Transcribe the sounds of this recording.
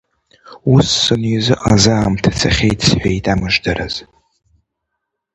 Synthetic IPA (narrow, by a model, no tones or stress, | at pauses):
usːɨnɥizɨʔazaːmtʰt͡sʰa̰χʲejtʰʼsħʷᶣajtʼamɨʒdaɾa̰z̥